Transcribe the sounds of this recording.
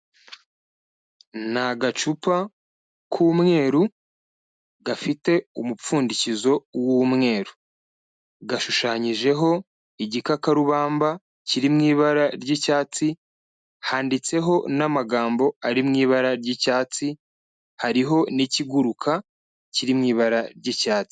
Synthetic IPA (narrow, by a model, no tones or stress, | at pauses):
naɡat͡ʃupa | kʰuːmŋe̞ːɾu | ɡafite̞umup͡fuːndicizo̞wumŋe̞ːɾu | ɡaʃuʃaɲiʒe̞ɦo̞ | iɟikakaɾuβaːmba | ciɾimŋiːβaɾaɾɟicaːt͡si | haːndit͡se̞ɦo̞namaɡaːmbo̞aɾimŋiːβaɾaɾɟicaːt͡si | haɾiɦo̞niciɡuɾukʰa | ciɾimŋiːβaɾaɾɟicaːt͡si̥